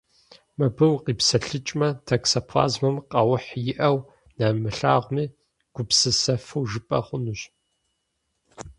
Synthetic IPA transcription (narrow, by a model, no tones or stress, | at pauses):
mɐbɨwqiːpsɐɬɨt͡ʃʼmɐtʰɐksɐpʰɑ̰ːzmɐmqʼɐwʊħjɪʔɐw | namɨɬaːʁʷmiː | ɡ̥ʷʊpsɨsɐfɨwʒɨpʼɐχʷʊnuɕ